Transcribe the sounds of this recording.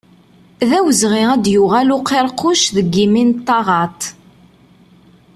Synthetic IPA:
ðæwəzʁiæd̪jʊʁælʊqːeɾˤqːʊʃðəɡːimint̪ːɑʁɑt̪

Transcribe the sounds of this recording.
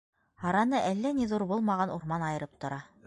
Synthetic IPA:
hɑɾɑnɤʔælːæniðuɾbulˠmɑʁɑnʔuɾmɑnɑjɤ̆ɾɤp̚t̪ŏɾɑ

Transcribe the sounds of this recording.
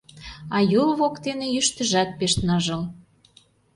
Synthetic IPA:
ɑjulβokt̪enĕjyʃt̪ə̆ʒɑt̪̚peʃnɑʒə̆l

